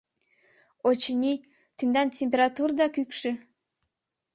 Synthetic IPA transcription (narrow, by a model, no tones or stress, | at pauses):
ot͡ɕənʲi | t̪ənd̪ɑntʲemp̬ʲeɾɑt̪urd̪ɑkykʃĕ